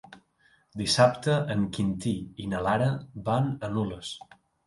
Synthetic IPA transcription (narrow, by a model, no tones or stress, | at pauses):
d̪isap̚t̪əʔəŋkint̪iinəlaɾəbanənuləs